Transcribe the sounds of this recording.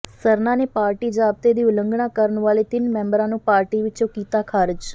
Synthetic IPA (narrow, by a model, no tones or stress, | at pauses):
səɾnaːneːpaːɾʈiːd͡ʒaːb̚t̪eːd̪iːʊlə̃ŋɡɳãːkəɾəɳʋaːleːt̪ɪnmɛ̃ːmbɾãːnũːpaːɾʈiːʋɪt͡ʃõːkiːt̪aːkʰaːɾd͡ʒ